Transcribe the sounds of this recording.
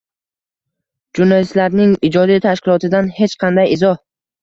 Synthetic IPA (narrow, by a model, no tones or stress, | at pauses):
d͡ʒʊnɒjɪst̪laɾnɪŋɪd͡ʒɒd̪it̪ʰaʃkʲɪlˠɒt̪ɪd̪anhe̞t͡ʃqʰɑnd̪ajɪzɒh